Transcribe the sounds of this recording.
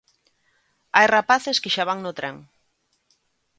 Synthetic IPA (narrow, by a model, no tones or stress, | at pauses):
ajrapaθeskeʃaβ̞aŋnot̪ɾaŋ